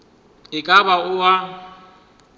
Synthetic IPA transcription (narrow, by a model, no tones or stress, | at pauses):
ɪkʼabaʊwa